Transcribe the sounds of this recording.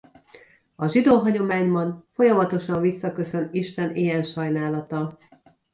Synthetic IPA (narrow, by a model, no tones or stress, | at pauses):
ɒʒid̪oːɦɒɟo̞maːɲbɒnfo̞jɒmɒt̪o̞ʃɒɱvisːɒkø̞sø̞niʃt̪ɛnijɛnʃɒjnaːlɒt̪ɒ